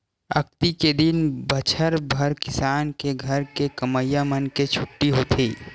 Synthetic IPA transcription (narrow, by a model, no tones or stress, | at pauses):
ɐ̰k̚t̪iked̪ɪnbɐt͡ʃʰəɾbʱɐɾkɪsaːnkeɡʱɐɾkekɐməjamənket͡ʃʰʊʈːiɦoːt̪ʰiː